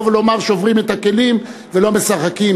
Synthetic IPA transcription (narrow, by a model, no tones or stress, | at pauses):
vlo̞maʁʃeovʁimet̪ake̞lim | velomesaχakim